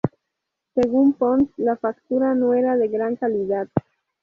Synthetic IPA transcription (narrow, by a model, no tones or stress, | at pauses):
seɣumponslafakt̪uɾanoeɾaðeɣɾaŋkaliðat̪̚